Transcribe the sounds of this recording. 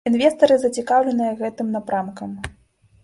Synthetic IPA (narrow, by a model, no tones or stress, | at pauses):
invʲɛst̪ɐɾɨzɐt͡sʲikawlʲɛnɨjɐɣɛt̪ɨmnapɾamkɐm